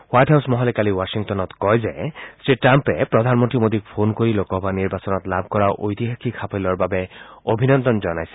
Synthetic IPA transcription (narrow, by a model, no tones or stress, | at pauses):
wajʈɦawsmɔɦɔlɛkaliwasiŋtɔnɔt̪kɔjzɛsɹitɾampɛpɹɔd̪ʱanmɔntimod̪ik̚pʰonkoɹilokɔbaniɹbasɔnɔt̪labʱkɔɹaʔojt̪iɦakʰikʰapʰilɔɹbabɛobʱinɔnd̪ɔnzɔnajsɛ̥